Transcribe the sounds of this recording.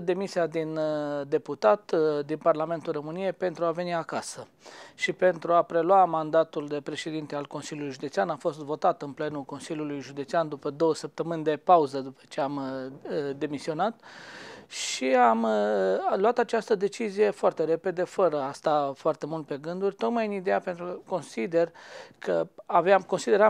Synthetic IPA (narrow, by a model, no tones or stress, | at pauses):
d̪e̞misiad̪ind̪e̞put̪at̪d̪inparlame̞nt̪ulromɨnije̞jpe̞nt̪ɾuave̞niakasə | ʃipe̞nt̪ɾuapɾe̞lwamand̪at̪uld̪e̞pɾe̞ʃe̞d̪int̪ealko̞nsilʲjulujʒud̪e̞t̪sianafo̞st̪vo̞t̪at̪ɨnple̞nulko̞nsilʲjulujʒud̪et̪siand̪upəd̪o̞wəsəp̚t̪əmɨnʲd̪e̞pauzəd̪upə̥t͡ʃe̞am | d̪e̞misio̞nat̪ | ʃiam | luat̪at͡ʃast̪əd̪e̞t͡ʃizije̞foart̪e̞ɾe̞pe̞d̪e̞fəɾəast̪afoart̪e̞mult̪̚pe̞ɡɨnd̪urʲt̪o̞k̪majɨnid̪e̞ape̞nt̪ɾuko̞nsid̪e̞rkʰəavamko̞nsid̪e̞ɾa